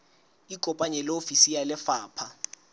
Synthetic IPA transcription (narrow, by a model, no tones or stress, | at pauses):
ikʼɔpʼaɲɛlofisijalɛfaːpʰa